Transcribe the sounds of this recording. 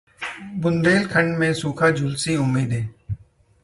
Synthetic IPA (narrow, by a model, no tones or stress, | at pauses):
bʊnbeːlkʰə̃ɳɖmẽːsuːkʰaːd͡ʒʊlsiʊmːiːd̪eː